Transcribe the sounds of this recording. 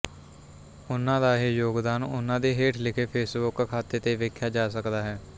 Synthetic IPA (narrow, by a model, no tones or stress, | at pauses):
ʊnãːd̪aːɦiːjoːɡd̪aːnʊnãːd̪eːɦeːʈʰlɪkʰeːpʰeːsbʊkːkʰːaːt̪eːt̪eːʋeːkʰːjaːd͡ʒaːsəkd̪aːɦɛː